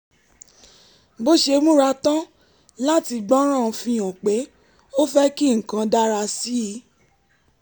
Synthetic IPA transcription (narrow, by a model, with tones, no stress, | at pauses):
bo˦ʃe˧mũ˦ɾa˧˦tã˦ | la˦ti˧ɡ͡bɔ˦ɾ̃ã˦˨˧fĩ˧õ˨k͡pe˨˦ | o˦fɛ˦ki˦˨ŋ̩˨kã˧da˦ɾa˧si˦i˨˦